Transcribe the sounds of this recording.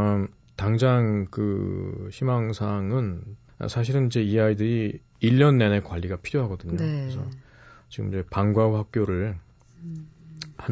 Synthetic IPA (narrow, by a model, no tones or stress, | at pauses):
taŋd͡ʑaŋkɯ̰ɕʰimaŋsʰaŋɯn̰ | sʰaɕ̬ʰiɾɯnid͡ʑe̞iaidɯɾi | iʎːʌnːe̞ne̞kwaʎːiɡapʰiɾjoɦaɡʌdɯɲoɯesʰʌ | t͡ɕiɡɯ̰mid͡ʑe̞paŋɡwaɸak̚kp͈joɾɯɭ | han